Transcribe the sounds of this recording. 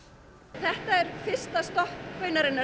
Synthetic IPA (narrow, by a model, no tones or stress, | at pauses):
θɛht̪aɛɾ̥fɪr̥st̪ast̪ɔhkʰːvœːɥnaɾɪnːa